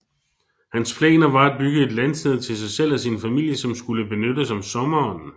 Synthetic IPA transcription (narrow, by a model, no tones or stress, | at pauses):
hænspʰlḛːnɐʋɑ̈æd̥̚b̥yɡ̥əe̝d̥lænsd̥eð̞ˠt͡sʰe̝lsɑ̈ɪsel̰æsinfæmil̰jəsɒ̽msɡ̥uləb̥e̝nødəsɒ̽msɒ̽mɐɒ̽n̰n̩